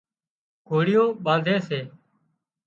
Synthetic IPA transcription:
ɡ̥ʰʱoːɽɪjõːɓãːd̪ʱẽːseː

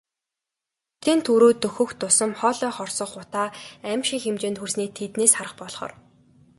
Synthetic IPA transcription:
t̪ʰent̪ʰuɾoːt̪ɵxɵ̆xt̪ʊsə̆mχɔːɮɔːχɔrsɞ̆χːʊt̪aːæmʃikxemt͡ɕeːnt̪xursniːt̪ʰet̪neːsχaɾə̆χpɔɮχɔ̰ːr

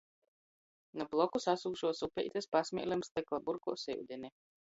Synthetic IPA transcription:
nablˠɔkusasuːʃuɔsupʲɛ̰jt̪espasmʲḭɛlʲɛmst̪ɛklˠabuɾkɔ̰ːsɛ̰wd̪ʲinʲɛ

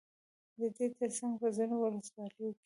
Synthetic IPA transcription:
d̪əd̪et̪əɾsaŋɡpəzinowʊləswɑləjoke̥

